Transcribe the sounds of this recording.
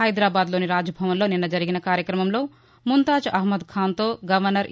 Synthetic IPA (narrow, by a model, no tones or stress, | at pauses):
ɐjd̪ɾaːbaːd̪loːniɾaːd͡ʒɐbʱɐʋɐnlo̞ːninːɐd͡ʒɐɾiɡinɐkaːɾjɐkɾɐmɐmlo̞ː | munt̪aːd͡ʒɐɦmɐd̪kʰaːnt̪oːɡɐʋɐɾnːɐɾ